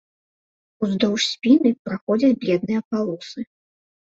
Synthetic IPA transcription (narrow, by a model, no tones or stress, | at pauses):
uzd̪ɔwʂsʲpʲinɨpɾaxɔd͡zʲɐt͡sʲbʲlʲɛd̪̚nɨjɐpalˠɔsɨ